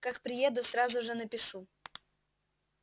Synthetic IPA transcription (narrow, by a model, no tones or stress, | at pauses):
kakpɾʲɪjed̪ʊsɾazʊʐɨnəpʲɪʂu